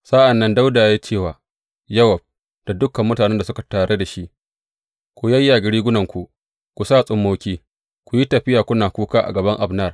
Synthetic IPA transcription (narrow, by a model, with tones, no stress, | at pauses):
sa˦ʔa˨nːɐ˦nda˦wdaː˨jaː˦t͡ʃeː˦˨waː˨ | jɐ˦wɐ˨b̚ | d̥a˨dʊ˦kɐ˨mːʊ˦taː˨nɛ˦nda˨sʊ˦ka˨taː˨ɽʔe˦da˨ʃi˦ʔ | kʷu˦jaː˦ja˨ɡɪ˨ɾiː˦ɡʷʊ˦nɐ˨ŋkʷu˨ | kʷu˨saː˦˨sʼʊ˦mːoː˦kʲiː˦ | kʷu˨ji˦tɐ˨ɸɪ˦jaː˨kʷʊ˦naː˨kʷuː˦kaː˦ʔa̰˨ɡɐ˨bɐ˦ŋʔa˨bnɐ˦˨r